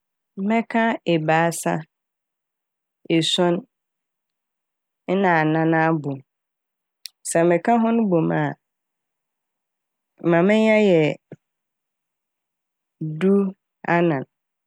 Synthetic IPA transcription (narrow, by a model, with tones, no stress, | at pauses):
mɛ̃˦kʰã˦e˨baː˨˦sa̰˦ | e˨sɔ̃˦n˦ | nã˨a˨nã˨nã˦bo˨m | sɛ˨˦mɛ̃˨kʰã˦ɦʊ̃˦nʊ̃˦bo˨ma˨ | mã˨mɪ̃˦ɲã˦jɛ˨ | du˦ | a˦nã˨n